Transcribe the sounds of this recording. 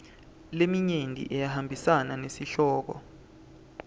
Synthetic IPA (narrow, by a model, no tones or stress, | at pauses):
lemiɲentʼḭʔɛjahambʱisananesiɬɔːk̬ɔ̰